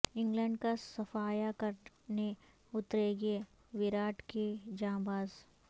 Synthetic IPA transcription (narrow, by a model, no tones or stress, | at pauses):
ɪ̃ŋɡlə̃ɳɖkasɐfaːjakɐɾ | ne | ʊt̪ɾeɡe | ʋɪɾaːʈkid͡ʒãːmbaːz